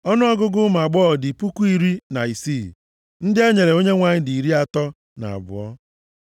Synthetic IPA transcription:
ɔ˦nʊ˦ɔ˦ɡʊ˦ɡʊ˦ma˨ɡ͡bɔː˦˨dɪ˨pu˦ku˦i˨ɾi˦na˨i˨si˦˨ | n̩˦dɪ˦e˦ɲe˨ɾe˨o˦ɲe˦ŋʷa˨ɲɪ˦di˨i˨ɾi˦a˨tɔ˦ | na̰˨a̰˨bʊ̰˨ɔ˦

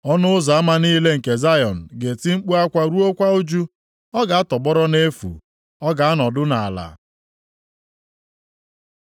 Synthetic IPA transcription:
ɔ˦nʊ˦ʊ˦za˨a˦ma˦niː˦le˦ŋ̩˨ke˨za˦jɔ˨n̩˨ɡe˨ti˦ŋ͡m̩˦k͡pu˦a˦kʷa˦ɾu˦o˦kʷa˦o˦d͡ʒu˦ | ɔ˦ɡa˨a˦tɔ˨bɔ˦ɾɔ˦ne˦fṵ˨ | ɔ˦ɡa˨a˦nɔ˨dʊ˦na˨a˨la̰˨

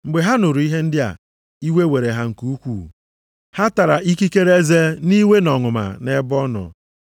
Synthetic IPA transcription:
ŋ͡m̩˨ɡ͡be˨ɦa˦nʊ˨ɾu˨i˦ɦe˦n̩˦dɪ˦a̰˨ | i˦we˦we˨ɾe˨ɦa˦ŋ̩˨ku˦u˦kʷuː˦˨ | ha˦ta˨ɾa˨ʔi˦ki˦ke˦ɾe˦ze˦ni˦we˦nɔ˨ŋʊ˨ma̰˨ne˦bɔ˦nɔ̰˨

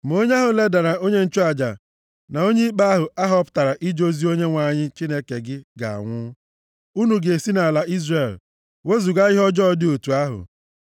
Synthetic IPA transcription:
m̩˨o˦ɲe˦a˦ɦʊ˨le˦da˨ɾa˨o˦ɲe˦n̩˦t͡ʃu˦a˨d͡ʒa̰˨ | na˨o˦ɲe˦k͡pa˦a˦ɦʊ˨a˦ɦɔ˦pʊ̥˦ta˨ɾa˨ʔi˦d͡ʒo˦zi˦o˦ɲe˦ŋʷa˨ɲɪ˦t͡ʃi˦ne˦ke˨ɡɪ˦ɡa̰˨a̰˨ŋʷʊ˦ | u˦nu˨ɡe˨si˦na˨la˨i˦zre˨l | we˦zu˨ɡa˦ɣɪ˦ɦɔ˦d͡ʒɔ˦dɪ˦o˨tu˨a˦ɦʊ̰˨

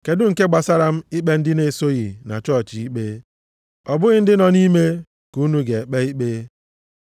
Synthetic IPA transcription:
ke˨dʊ˦ŋ̩˨ke˦ɡ͡ba˨sa˦ɾa˨m̩˦i˦k͡pe˦n̩˦dɪ˦ne˦so˦ɣi˨na̰˨t͡ʃɔ˦t͡ʃi˨i˦k͡pe˦ | ɔ˨bʊ˦ɣɪ˦n̩˦dɪ˦nɔ˨ni˦me˦ | ku˦nu˦ɡe˨e˨k͡pe˦i˦k͡pe˦

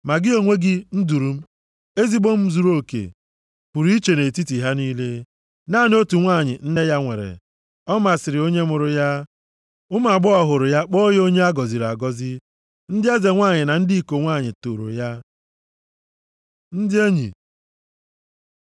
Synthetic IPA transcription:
ma˨ɡɪ˦o˨ŋʷe˦ɡɪ˦n̩˦du˨ɾu˦m̩˦ | e˦zi˦bo˦m̩˦zu˨ɾo˦˨kḛ˨ | pu˨ɾi˨˦i˦t͡ʃe˨ne˨ti˦ti˨ɦa˦niː˦le˦ | na˦˨n˦o˦tu˨ŋʷa˦˨ɲɪ̰˨n̩˦ne˦ja˦ŋʷḛ˨ɾḛ˨ | ɔ˦ma˨sɪ˨ɾɪ˨o˦ɲe˦mʊ˨ɾʊ˨ja˦ | ʊ˦m˦a˨ɡ͡bʊ˦ɔ˦˨ɦʊ˨ɾʊ˨ja˦k͡po˦jo˦ɲe˦a˦ɡɔ˨zi˨ɾa̰˨ɡɔ˦zɪ˦ | n̩˦dɪ˦e˦ze˨ŋʷa˦˨ɲɪ˨na˨n̩˦dɪ˦i˦˨ko˨ŋʷa˦˨ɲɪ˨to˨ɾo̰˨ja˦ | n̩˦dɪ˦e˦ɲḭ˨

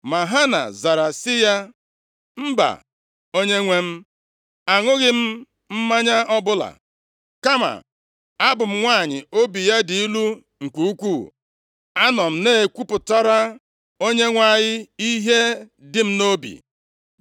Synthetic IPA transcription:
ma˨ɦa˦na̰˨za˨ɾa˨sɪ˦ja˦ | m̩˦ba̰˨ | o˦ɲe˦ŋʷe˦m̩˦ | a˨ŋʊ˦ɣɪ˦m̩˦ | m̩˦ma˦ɲa˦ʔɔ˦bʊ˦la̰˨ | ka˦ma̰˨ | a˦bʊ˨m̩˦ŋʷa˦˨ɲɪ̰˨o˦bi˨ja˦di˨i˦lu˦ | ŋ̩˨kʷu˦u˦kʷu˦˨ | a˦nɔ˨m̩˦ne˦e˨kʷu˦pʊ˨ta˦ɾa˦ | o˦ɲe˦ŋʷa˦˨ɲɪ˦i˦ɦe˦ | dɪ˨˦m̩˦no˦bḭ˨

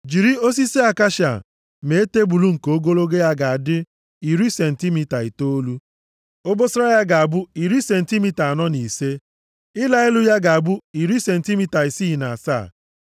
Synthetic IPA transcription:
d͡ʒi˨ɾi˦o˦s̬i˦se˦a˨ka˦ʃa̰˨ | me˨e˦te˦bu˨lu˦ŋ̩˨ko˨o˦ɡo˦lo˦ɡe˦ja˦ɡa˨a˨dɪ˦ | i˨ɾi˦se˨n̩˨ti˦mi˦ta˨i˨to˦o˦lu˦ | o˦bo˦sɾa˦ja˦ɡa˨a˨bʊ˦i˨ɾi˦se˨n̩˨ti˦mi˦ta˨a˨nɔ˦ni˨se˦ | ɪ˦la˦ɪ˦lʊ˦ja˦ɡa˨a˨bʊ˦i˨ɾi˦se˨n̩˨ti˦mi˦ta˨i˨si˦˨na˨a˨sa̰ː˦˨

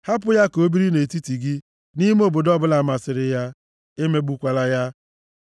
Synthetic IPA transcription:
ha˦p̬ʊ˦ja˦ko˦bi˦ɾi˦ne˨ti˦ti˨ɡɪ˦ | ni˦m˦o˦˨bo˨dɔ˦bʊ˦la˨ma˨sɪ˨ɾɪ˨ja˦ | ɪ˦me˦ɡ͡bu˦kʷa˨la˦ja˦

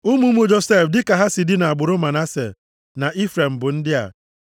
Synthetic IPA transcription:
u˦mu˦mu˦d͡ʒo˨se˦˨fdɪ˦ka˨ɦa˦si˨dɪ˦na˨a˨ɡ͡bʊ˨ɾʊ˦ma˨na˦sḛ˨ | na˨ʔi˦fɾe˨m̩˨bʊ˨n̩˦dɪ˦a̰˨

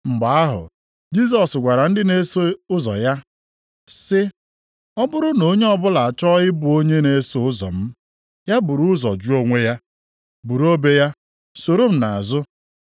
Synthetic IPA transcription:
ŋ͡m̩˨ɡ͡ba˨a˦ɦʊ̰˨ | d͡ʒi˦s̬ɔ˨sɡʷa˨ɾa˨n̩˦dɪ˦ne˦so˦ʊ˦zɔ̰˨ja˦ | sɪ˦ | ɔ˦bʊ˦ɾʊ˦no˨ɲe˦ɔ˦bʊ˦la˨a˨t͡ʃɔ˦ɣɪ˦bʊ˨o˦ɲe˦ne˨˦so˦ʊ˦zɔ̰˨m̩˦ | ja˦bʊ˨ɾʊ˦zɔ̰˨d͡ʒu˦o˦ŋʷe˦ja˦ | bu˨ɾo˦be˦ja˦ | so˨ɾo˦m̩˨na˨a˨zʊ˦

